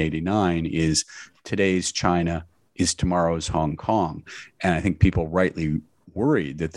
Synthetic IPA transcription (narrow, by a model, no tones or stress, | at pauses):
eɪɾinãɪ̃nɪz̥tʰɨɾeɪz̥t͡ʃʰãɪ̃nɨ | ʔɨz̥tʰəmɑɹoʊz̥hɑ̃ŋkʰɔ̃ŋʔɨ̃naɪθɪ̃ŋk̚pʰipl̩ˠɹaɪʔli | wɜ˞id̪̚ðɨt̪̚ð